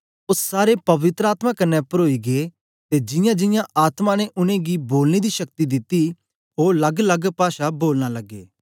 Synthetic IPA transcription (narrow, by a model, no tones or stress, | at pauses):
ʊsːaːɾepɐʋɪt̪ɾaːt̪mãkɐnːɛpɐɾoːiɡe | t̪ed͡ʒɪ̃jãd͡ʒɪ̃jãʔaːt̪mãnɛʔʊnẽɡiboːlned̪iʃɐkt̪id̪ɪt̪ːi | ɦoːɾlɐɡlɐɡpaːʃaboːlnalɐɡːḛː